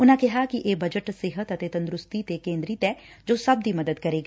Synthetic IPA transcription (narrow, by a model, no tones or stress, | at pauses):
ʊnãːkɛɦaːkiʔeːbəd͡ʒəʈsɪɦət̪ət̪eːt̪ə̃nd̪ɾʊst̪it̪ekẽːnd̪ɾit̪ɛːd͡ʒoːsɐb̚d̪iːməd̪əd̪kəɾeːɡaː